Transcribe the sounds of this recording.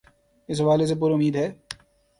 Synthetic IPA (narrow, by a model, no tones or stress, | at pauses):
ɪs̬ɦɐʋaːles̬ep̬uːɾʊmiːd̪ɦɛː